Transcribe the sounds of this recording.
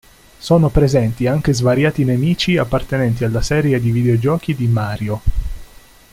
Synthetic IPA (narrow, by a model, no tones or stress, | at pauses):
soːnopɾezɛnt̪iaŋk̟ezvaɾjaːt̪inemiːt͡ʃiapːart̪enɛnt̪̬ialːasɛːɾjed̪ivid̪eod͡ʒɔːk̟id̪imaːɾjo